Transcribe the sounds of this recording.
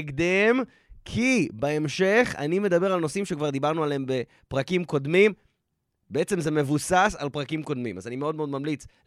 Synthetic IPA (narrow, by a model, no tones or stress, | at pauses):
ɡd̪em | kʰibeemʃe̞χa̰nime̞d̪abe̞ʁalno̞simʃekvaʁd̪ibaʁnualeembe̞ | pʁakimko̞d̪mim | beet͡se̞mze̞me̞vusasalpʁakimko̞d̪mḭma̰zanimeo̞d̪meod̪mamlit͡s